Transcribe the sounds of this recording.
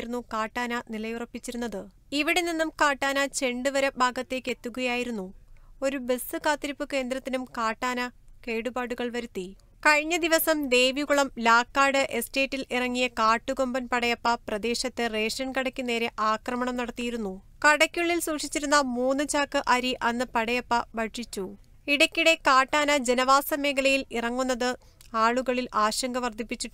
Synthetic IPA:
ɾunːukaːʈːaːnɐnilɐjurɐpːit͡ɕːiɾun̪ːɐðɨ | iʋiɽe̞ninːumkaːʈːaːnɐt͡ɕe̞ɳɖɨʋɐɾɐbʱaːɡɐt̪ːe̞ːkːe̞t̪ːuɣɐjaːjiɾunːuo̞ɾubesɨkaːt̪ːiɾipːɨke̞ːnd̪ɾɐt̪ːinumkaːʈːaːnɐke̞ːɽubaːɽuɣɐɭʋɐɾut̪ːi | kɐɻiɲːɐd̪iʋɐsɐmd̪e̞ːjʋikuɭɐmlaːkːaːɽɨʔe̞ste̞ːtːilirɐŋːijɐkaːʈːuɡo̞mbɐnpɐɽɐjɐpːɐprɐd̪e̞ːɕɐt̪ːɨreːʂɐnkɐɽɐkʲːuneːɾe̞ʔaːkrɐmɐɳɐmnɐɽɐt̪ːijiɾunːu | kɐɽɐkʲːuɭːilsuːkʂit͡ɕːiɾunːɐmuːnːɨt͡ɕaːkːɨʔɐɾiʔɐnːɨpɐɽɐjɐpːɐʋɐʈʂit͡ɕːu | iɽɐkʲːiɽe̞kaːʈːaːnɐd͡ʑe̞nɐʋaːsɐme̞ːɡɐlɐjilirɐŋːunːɐðɨ | aːɭuɣɐɭilaːɕɐŋɡɐʋɐrd̪ʱipːit͡ɕːiʈː

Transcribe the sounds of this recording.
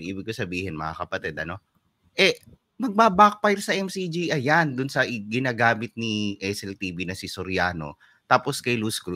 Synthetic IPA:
ʔiːbɪɡ̚kosɐbiːhɪnmɐ̰ŋa̰kɐpɐt̪ɛd̪ɐno̞ | ʔɛ | mɐɡ̚baːbak̚pajɾsɐʔɛmsid͡ʒiʔɐjand̪ʊnsɐʔɪɡɪnaːɡaːmɪt̪̚niʔɛsɛlt̪iːbinɐsisoɾjaːno̞̰ | t̪aːposkɐjluskɾu

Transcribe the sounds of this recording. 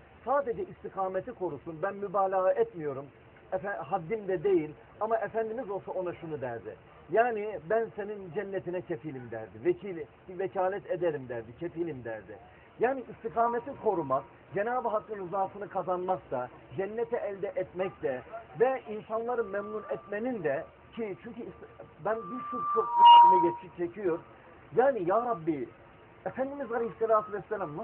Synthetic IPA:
saːd̪ed͡ʒɛʔist̪ikʰaːmet̪ʰikʰo̞ɾusunbænmybaːlʲaɣaʔɛt̪mijo̞ɾum | fɦad̪ːimd̪ɛd̪e̞jilʲ | amaʔefænd̪imizo̞lˠsao̞naʃunud̪æɾd̪ɪ̰ | jaːnibænsenind͡ʒɛnːet̪ʰinɛcʰefilʲimd̪æ̰ɾd̪ivɛcʰilʲbvɛcʰaːlʲɛt̪ed̪eɾimd̪æɾd̪icʰefilʲimd̪æɾd̪ɪ̰ | jaːniʔist̪ikʰaːmet̪ʰikʰo̞ɾumak̚ | d͡ʒenaːbiɦakːɯnɯzaːsɯnɯkʰazanmakt̪ʰa | d͡ʒɛnːɛt̪ʰɛʔɛlʲd̪ɛʔɛt̪mɛc̚t̪ɛvɛʔinsanlˠaɾɯmɛmnunɛt̪menind̪ɛ | cʰit͡ʃʰyɲcysbænbiɾt͡ʃukt͡ʃʰok̪̚uinɛɟet͡ʃ̪ʰi̥ʃik̚t͡ʃʰecʰijo̞ɾ | jaːnijaːɾabːi | ɛfænd̪imizalʲɛhi̥sːelʲaːt̪ʰuvɛsːelʲamna

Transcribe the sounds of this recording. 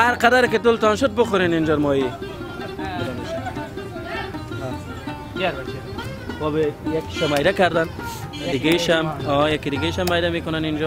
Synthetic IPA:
haɾqad̪aɾkɪt̪ʊlt̪ɔnʃʊd̪̚bʊxʊɾenɪnd͡ʒaɾmɔji | bɪd̪aneʃ | ɔbejakːi̥ʃamajɾakaɾd̪an | d̪ɪɡeʃamɔjakid̪ɪɡeʃamajɾamekʊnanind͡ʒɔ

